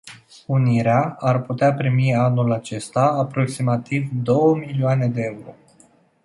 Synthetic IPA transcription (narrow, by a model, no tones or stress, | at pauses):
uniɾeaarput̪eapɾimianulat͡ʃe̞st̪aːpɾo̞ksimat̪ivd̪o̞wəmilioane̞d̪e̞euɾo̞̰